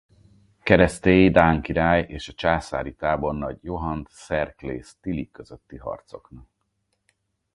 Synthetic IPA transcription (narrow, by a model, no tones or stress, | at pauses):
kɛɾɛst̪eːjid̪aːŋkiɾaːjeːʃɒt͡ʃaːsa̰ːɾit̪aːbo̞nːɒɟjo̞ɦɒnt̪sɛrklḛːst̪ilikːø̞zøt̪ːiɦɒ̰rt̪so̞̰knɒk̚